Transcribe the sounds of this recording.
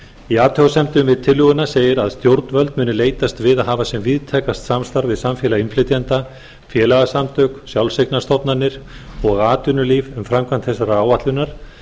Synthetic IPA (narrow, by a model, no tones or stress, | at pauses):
iaːt̪ʰɔwsɛmt̪ʏmvɪðt̪ʰɪlːʏɣʏnaseːjɪɾaðst̪jowɾt̪nvœlt̪mʏːnʏleːjt̪ast̪vɪðaðɦaːvasjɛmviðt̪ʰɛkast̪samst̪aɾɣvɪðsamfjɛlainflɪt̪jant̪a | fjɛːlaɣasamt̪œksjawlseknast̪ɔpnanɪɾ̥ɔɣaːt̪ʏnʏlivʏmfɾamkʰvant̪θɛs̬aɾaaːwat̪lʏnaɾ̥